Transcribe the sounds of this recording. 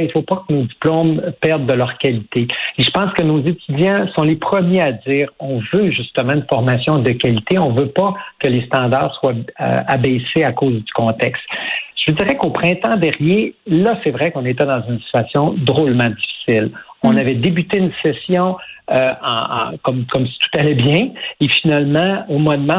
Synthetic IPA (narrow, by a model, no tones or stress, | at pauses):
ilfopakənod͡z̪iplɔmpɛʁd̪ːəlœʁkʲalit̪eeʒəpɑ̃skənozet̪yd͡zjɛ̃sɔ̃lepχəmjead͡ziːʁɔ̃vøʒyst̪əmɑ̃ynfɔʁmasjɔ̃d̪əkʲalit̪eɔ̃vøpakəlest̪ɑ̃d̪aʁswa̰abɛseakoːzd̪y̥kɔ̃t̪ɛkst̪ʒəd͡zziʁɛkopχɛ̃t̪ɑ̃d̪ɛʁnjelʌsɛvʁɛkɔ̃net̪ɛd̪ɑ̃zynsi̥t̪yasjɔ̃d̪ʁolmɑ̃d̪ifi̥silɔ̃navɛd̪ebyt̪eynsɛsjɔ̃øɑ̃ɑ̰̃kʌmkɔmsi̥t̪u̥t̪alɛbjɛ̃efinalmɑ̃omɔnmã